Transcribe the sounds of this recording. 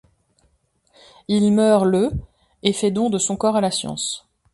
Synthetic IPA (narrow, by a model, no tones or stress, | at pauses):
ilmœʁlə | efɛd̪ɔ̃d̪əsɔ̃kɔʁalasjɑ̰̃s